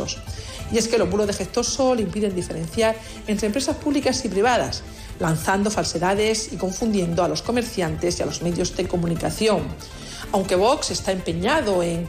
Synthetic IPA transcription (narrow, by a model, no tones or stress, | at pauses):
o̰s | ie̞ske̞lo̞zβuloðe̞xe̞ht̪o̞so̞limpiðe̞nd̪ife̞ɾẽ̞n̟θjaɾ | ent̪ɾempɾe̞saspuβlikasipɾiβ̞aða̰s | lan̟θand̪o̞false̞ðaðe̞siko̞ɱfund̪je̞nd̪oalo̞sko̞me̞ɾθjant̪e̞sia̰lo̞zme̞ðjo̞zðe̞ko̞mũnikaθjo̞ŋ | awŋke̞β̞o̞kse̞st̪aempe̞ɲaðo̞eŋ